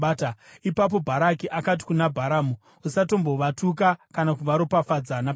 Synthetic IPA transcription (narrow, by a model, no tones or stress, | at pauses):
taipap̬o̞bʱaɾakiʔakat̬i̥kunabʱaɾaːmu | usato̞mbo̞ʋatuk̬akanakuʋaɾopafad͡zana